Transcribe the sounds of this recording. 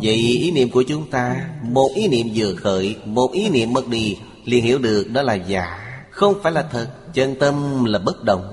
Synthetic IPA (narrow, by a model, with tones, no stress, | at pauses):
və̰˧˨jʔi˨˦nḭ˧əmku˧˩ət͡ɕʊ˨˦ŋ͡mt̪aː˧mo˨˩t̚ʔi˨˦nḭ˧˨əmzɨ̰˧˨əxəː˧˦jmo˨˩t̚ʔi˨˦nḭ˧˨əmːə˨˩t̚ɗḭ˧˨˩ | li˨˩ənhḭ˧˥əwɗɨ˨˩ək̚ɗɔ˨˦laː˨˩za̰ː˧˦xə˧wŋ͡mfaː˧˥jlaː˨˩t̪ʰə˨˩t̚t͡ɕə˧nt̪ə˧mlaː˨˩ɓə˦˥t̚ɗə˨˩wŋ͡m